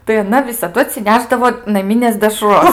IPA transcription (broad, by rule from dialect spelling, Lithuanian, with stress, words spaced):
tɐɪ ɐˈnɐ ʋʲɪsɐˈdʊ ɐtʲsʲɪˈnʲæːʒdɐʋoː nɐˈmʲɪnʲeːs dʲɛˈʃroːs